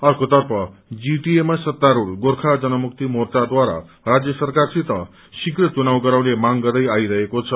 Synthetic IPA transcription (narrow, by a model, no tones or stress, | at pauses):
ʌrkot̪ʌrpʰʌd͡ziʈiemasʌt̪ːaɾulɡorkʰad͡zʌnʌmuk̚t̪imort͡sad̪waɾa̰ | rad͡zjʌsʌrkarsʰit̪ʌ | sikrʌt͡sunaw̃ɡʌɾaw̃lemaŋɡʌrd̪ʌjajɾʌɦekot͡sʰʌ